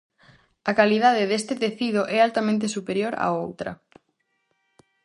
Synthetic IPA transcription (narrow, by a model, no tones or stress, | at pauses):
akaliðaðeðest̪et̪eθið̞oʔɛalt̪amẽnt̪̬esupeɾjoɾa̰owt̪ɾɐ̰